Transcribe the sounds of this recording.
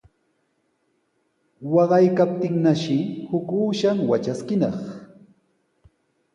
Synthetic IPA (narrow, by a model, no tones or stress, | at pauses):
wɑɢɑjkap̚t̪ɪŋnaʃɪhʊkuːʃamwat͡ʃaskɪnɑχ